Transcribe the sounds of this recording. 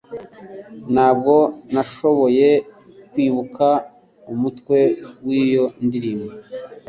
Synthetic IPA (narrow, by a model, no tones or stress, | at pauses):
nhaːb̚ɡo̞naʃo̞βo̞je̞ | kwiːβuka | umutkwe̞wiːjo̞ndiɾimo